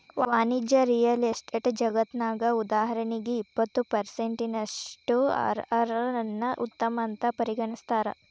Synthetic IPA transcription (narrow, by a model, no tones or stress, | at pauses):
ʋʋaːnid͡ʒjɐɾijɐlesʈeʈd͡ʒɐɡɐt̪naːɡɐud̪aːɦɐɾɐniɡeipːɐt̪ːupɐɾseɳʈinɐʂʈuɐ̰ɾɐɾɐɐnːɐʔṵt̪ːɐmɐnt̪ɐpɐɾiɡɐɳist̪aːɾɐ̰